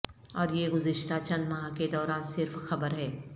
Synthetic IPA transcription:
ɔːɾjeɡʊzɪʃt̪at͡ʃɐ̃nd̪maːked̪ɔːɾaːnsɪɾfxɐbəɾɦɛː

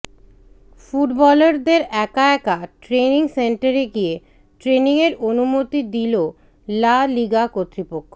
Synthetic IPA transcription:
fuʈbɔleɾd̪eɾɛkaɛkaʈɾeniŋseɳʈaɾeɡie | ʈɾeniŋeɾonumot̪id̪ilo | laliɡakot̪ːɾipokʰːo

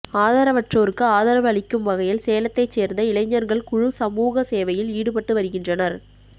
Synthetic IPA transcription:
aːðɐːɾɐʋɐʈroːɾɯkːɯaːðɐɾɐʋɐɭɪkːɯmʋɐɣɐjɪlseːlɐt̪ːɐɪt͡ʃːeːɾnd̪ɐɪlɐɪɲːɐɾɣɐɭkʊɻʊsɐmuːɣɐseːʋɐjɪliːɽɯpɐʈːɯʋɐɾɯɣɪndrɐnɐɾ

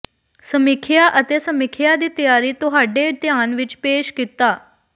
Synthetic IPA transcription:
səmɪkʰjaʔət̪eːsəmɪkʰjad̪iːt̪əjaːɾiːt̪ʊɦaːɖet̪jaːnʋɪt͡ʃpeːʃkit̪aː

